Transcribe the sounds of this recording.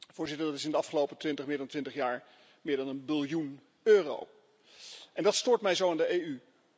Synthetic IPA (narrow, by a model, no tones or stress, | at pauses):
vʊːɹzɪtəɹdɑtɪsɪndəɑfχəlowpətʋɪntəχmɪːɹdɑntʋɪntəχjaːɹ | mɪːɹdɑnənbɪlˠjun | øːro̰w | ʔɛndɑtstʊːɹtmɛjzowɪndəejy